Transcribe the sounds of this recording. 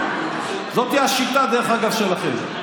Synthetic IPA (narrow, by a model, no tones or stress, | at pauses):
zot̪hiaʃit̪ad̪eʁeχaɡavʃelaχḛm